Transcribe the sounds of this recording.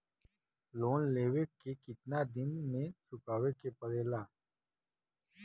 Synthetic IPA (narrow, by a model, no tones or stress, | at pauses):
loːnleːwekekɪt̪nad̪ɪnmẽsʊkaːwekepɐɾeːlaː